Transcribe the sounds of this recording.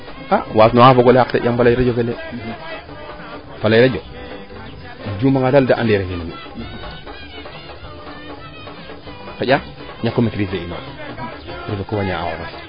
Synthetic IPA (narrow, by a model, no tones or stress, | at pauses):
awasnoafoɡoleaktḛamfalaiɾad͡ʒokele | falaiɾad͡ʒo | d͡ʒumaŋadaldaʔa̰ndeɾeinamḭ | kajʲa | ɲakːomekɾifeino̰ | ɾifekowaɲaa̰wo̰ɾas